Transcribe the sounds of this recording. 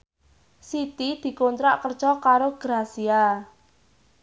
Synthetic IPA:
sit̪id̪̥i̤kont̪ɾaʔkərd̥ʒ̥ɔkaɾoɡ̥ɾasia

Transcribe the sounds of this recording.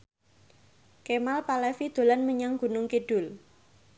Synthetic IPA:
kemalpalɛfid̪̥o̤lanməɲaŋɡ̥unʊŋkiɖ̥ʊ̤l

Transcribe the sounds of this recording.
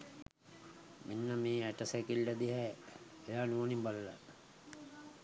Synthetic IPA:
minːəmiːæʈəsekilɖəd̪iɦɛ | ejaːnuonimbaləla

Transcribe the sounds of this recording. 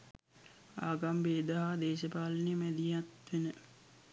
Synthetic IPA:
a̰ːɡambeːd̪əɦad̪eːʃəpaːlənimɛd̪ijat̪ʋenə

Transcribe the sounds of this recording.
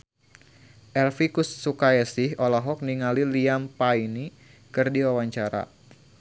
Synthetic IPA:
ʔɛlfikusːukaɛsɪɦolaɦɔk̚niŋaliliampaini | kɨrdiwawaɲt͡ʃaɾa̰

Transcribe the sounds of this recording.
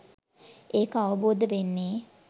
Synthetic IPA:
eːkəaʋəboːd̪əʋenːeː

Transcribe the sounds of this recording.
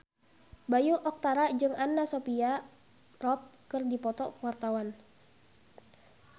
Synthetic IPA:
bajuʔɔk̚t̪aɾad͡ʒɨŋanːasopia | rɔp̚kərdipɔt̪ɔwart̪awan

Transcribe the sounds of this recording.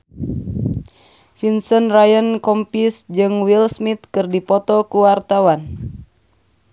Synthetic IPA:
finsənrajənkɔmpisd͡ʒɨŋwilsmit̪̚kɨrdipɔt̪ɔkuwart̪awan

